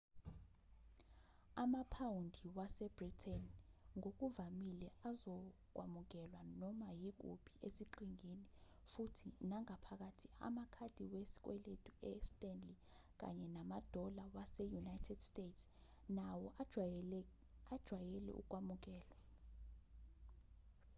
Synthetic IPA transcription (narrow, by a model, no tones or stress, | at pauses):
amapʰawundʱiwasɛbritʰɛnŋok̬ʼuvamilɛazɔk̬ʼwamuk̬ɛlwanɔmajik̬ṵb̥ʱʼiesiǃiŋini | futʰinaŋapʰak̬atʰia̰makʰad̥ʱiwesi̥k̬wɛ̰letʼuɛstʼɛnli | k̬a̰ɲɛnamad̥ʱɔlawasɛjunajtʰɛd̥stʼetʰs | nawɔ | ad̥ʒ̥ʱwajɛlɛ̰ʔṵk̬ʼwamuk̬ɛːla